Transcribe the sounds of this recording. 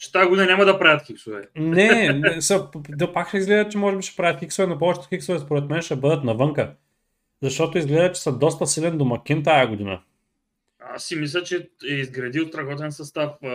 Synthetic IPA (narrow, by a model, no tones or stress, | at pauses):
t͡ʃɛ̥t̪ajɐɡoʊd̪inɐnʲamɐd̪ɐpɾavɐt̪kʲiksovɛ̰nɛnɛsəpd̪ɐpakʃɛizɡlɛd̪ət͡ʃɛmɔʒɛbiʃɛ̥pɾavɐt̪kʲiksovɛnɐpɔvɛt͡ʃɛ̥t̪kiksovɛspoɾɛt̪mɛnʃɛbɤd̪ət̪nɐvɤŋkə | zɐʃt̪ɔt̪oizɡlɛd̪ət͡ʃɛ̥sɐd̪ɔs̬t̪ɐsilɛnd̪omɐkint̪ajɐɡʊd̪inə̰ | a̰sːimislʲɛt͡ʃɛɛizɡɾɐd̪isɾɐɣɔt̪ɛnsɐst̪af